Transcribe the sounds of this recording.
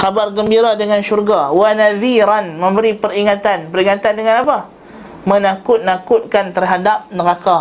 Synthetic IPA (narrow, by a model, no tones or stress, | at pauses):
kabarɡəmbiɾadəŋanʃurɡawanaðiɾanmə̃mbəɾipəɾiŋat̪anpəɾiŋat̪andəŋanapa | mənakʊt̪̚nakʊt̪̚kant̪ərɦadap̚nəɾaka